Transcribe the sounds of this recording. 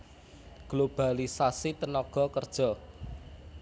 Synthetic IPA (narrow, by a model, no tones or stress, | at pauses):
ɡ̥lob̥a̤lisasit̪ənɔɡ̥ɔ̤kərd̥ʒ̥ɔ̤